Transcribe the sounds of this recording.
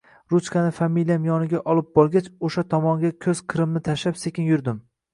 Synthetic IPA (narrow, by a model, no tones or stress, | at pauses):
ɾut͡ʃkʲanɪfamilijamijɒnɪɡʲaʔɒlˠɪp̚bɒlˠɡʲat͡ʃoʃat̪ʰɒmɒŋɡʲakʲʰɵz̥qʰɨɾɪmnɪt̪ʰaʃapsekʲɪnjʊɾd̪ɪm